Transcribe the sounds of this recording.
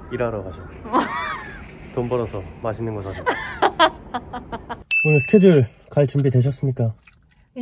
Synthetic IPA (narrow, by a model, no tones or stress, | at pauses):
iɾaɾoɦaɕʰʌ | tombʌɾʌsʰʌmaɕʰinːɯnɡʌsʰaɕʰʌa | onɯsʰɯ̥kʰed͡ʑɯɭ | kaɭt͡ɕumbidweɕ̬ʰʌs͈ɯmɲik͈a